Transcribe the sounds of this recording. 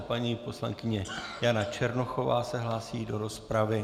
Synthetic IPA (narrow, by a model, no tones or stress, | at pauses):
paɲiːpo̞sla̰ŋkɪɲɛjanat͡ʃɛɾno̞xo̞va̰ːsɛɦlaːsiːdo̞ɾo̞spɾavɪ